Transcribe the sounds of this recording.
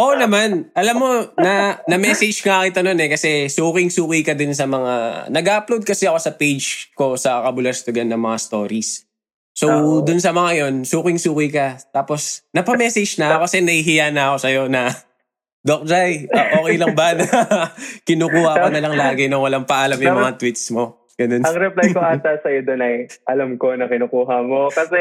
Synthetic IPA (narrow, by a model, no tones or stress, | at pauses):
ʔonɐmanʔɐlamːo̞nɐnɐmɛːsɛd͡ʒŋakɪt̪ɐnonɛkɐsɛsuːkɪŋsuːkɪjkɐd̪ʊns̬ɐmɐŋa̰nɐɡaʔplod̪̚kɐsɛɐko̞sɐpejd͡ʒko̞sɐkɐbʊlɐst̪ʊɡanːɐŋmɐŋast̪o̞̰ːɾisː | owd̪ʊnsɐmɐŋajo̞nsuːkɪŋsuːkɪkɐt̪aːpo̞snɐpɐmɛːsɛd͡ʒnɐokɐsɛnɐhɪɦɪjanɐɐko̞sɐjo̞nɐ | d̪ok̚d͡ʒajʔɐʔo̞ːkɛjlɐŋbɐnɐ | kɪnuːkuːhɐʔkonɐlɐŋlaːɡɪnoŋwɐlaŋpɐʔaːlamjʊŋmɐŋat̪wit̪smo̞ | ɡ̥ɐno̞nɐŋɾɛplajkoat̪asɐjod̪onɐjʔɐlamko̞nɐkɪnokuːɦɐmokɐsɛ